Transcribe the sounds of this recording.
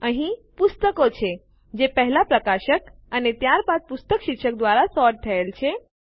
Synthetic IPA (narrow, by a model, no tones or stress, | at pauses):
əɦĩpust̪əkot͡ʃʰe | d͡ʒepəɦlapɾəkaʃək | ənet̪jaɾpat̪̚pust̪əkʃikʃək̚d̪waɾasɔɾʈ̚t̪ʰəelt͡ʃʰe